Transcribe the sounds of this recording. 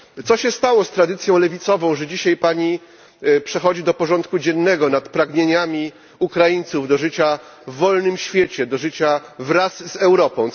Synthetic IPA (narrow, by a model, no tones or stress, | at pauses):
t̪ɔɕɛst̪awɔst̪ɾad̪ɘt̪sʲjɔ̃w̃lɛvʲit̪sɔvɔ̃w̃ʐɛd͡ʑiɕajpaɲi | pʂɛxɔd͡ʑid̪ɔpɔʐɔnt̪kud͡ʑɛnːɛɡɔnat̪pɾaɡɲeɲamʲi | ukɾajiɲt̪suvd̪ɔʐɘt͡ɕa | vːɔlnɘmɕfʲjɛt͡ɕɛd̪ɔʐɘt͡ɕavɾasːɛwɾɔpɔ̃w̃